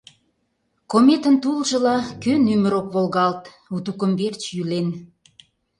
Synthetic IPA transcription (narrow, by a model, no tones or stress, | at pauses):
komet̪ənt̪ulʒə̆lɑkønyməɾokβolɣɑlt̪ | ut̪ukə̆mβert͡ɕjylen